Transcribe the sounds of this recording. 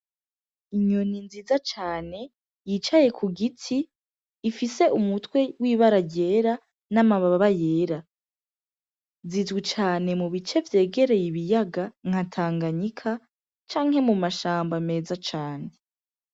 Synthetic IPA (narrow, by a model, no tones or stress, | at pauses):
iɲoninziːzat͡ʃaːne̞ | jit͡ʃaje̞kʰuɡitʰiː | fise̞ʔumutwe̞wiːβaɾaɾɟe̞ːɾa | namaβaβaβaje̞ːɾa | zizɡit͡ʃaːne̞muβit͡ʃe̞vje̞ːɡe̞ɾe̞jiβijaɡaŋ̥hatʰaːŋɡaɲikʰa | t͡ʃaːŋhe̞mumaʃaːmbame̞ːzat͡ʃaːne̞